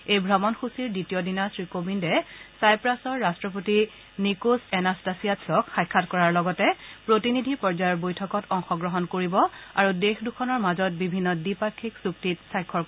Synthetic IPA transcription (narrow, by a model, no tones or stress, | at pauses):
ejbʱɹamɔnxusiɹditijɔdinasɹikobindɛsajpɹasɔɹːastɹɔp̬oti | nikusɛnastasijatsɔkxajkʰːatkɔɹaɹlɔɡɔtɛpɹotinidʱipɔɹzajɔɹbojtʰɔkɔtɔŋxɔɡɹɔɦɔnkoɹibɔaɹudexdukʰɔnɔɹmazɔt̚bibʱinːɔdipakʰːiksuktitsajkʰːɔ